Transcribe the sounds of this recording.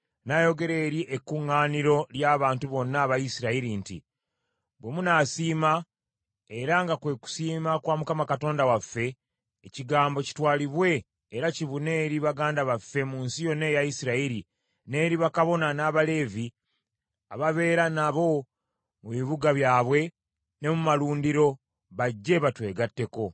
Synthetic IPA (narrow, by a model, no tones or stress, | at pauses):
najo̞ɡe̞ɾeːɾiʔekːuŋːaːniɾo̞ljaːβaːntuβo̞nːaːβajisiɾaiɾintḭ | βwe̞munaːsiːma | eɾaŋɡakwe̞ku̥siːmakwaːmukamakato̞ːndawafːe̞ː | ciɡaːmbo̞ci̥twaːliβwe̞ː | ɾaciβune̞ːɾiβaɡaːndaβafːe̞muːnsijo̞ne̞jaisiɾaiɾi | ne̞ːɾiβakaβo̞nanaːβale̞ːvi | a̰βaβe̞ːɾanaβo̞ | muβiβuɡaβjaːβwe̞ | ne̞mumaluːndiɾo̞ | βaɟːe̞βatwe̞ːɡatːe̞ko̞